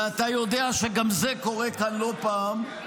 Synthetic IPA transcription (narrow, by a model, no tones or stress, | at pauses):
at̪ajo̞d̪eaʃeɡamzeko̞ʁekanlo̞paːm